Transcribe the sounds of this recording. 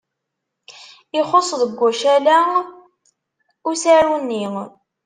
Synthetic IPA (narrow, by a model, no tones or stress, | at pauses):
ɪχosˤðəɡʷːæʃælæ | ʊsæɾunːi